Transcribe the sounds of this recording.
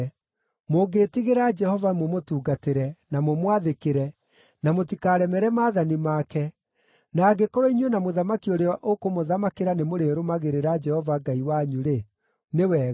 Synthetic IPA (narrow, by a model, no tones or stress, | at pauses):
moɡeːtiɣeɾad͡ʒɛhɔvamomotuːɡateɾɛnamomwaðekeɾɛ | namotikaːɾɛmɛɾɛmaːðanimakɛ | naːɡekoɾoinwenamoðamakioɾeɔʔokomoðamakeɾanemoɾeɾomaɣeɾeɾad͡ʒɛhɔvaɡaiwaɲuɾe | newɛ